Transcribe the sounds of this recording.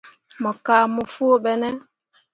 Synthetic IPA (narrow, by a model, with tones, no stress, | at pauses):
mɔ˨kaː˦mu˨fu˦o˦ɓɛ˦nɛ˦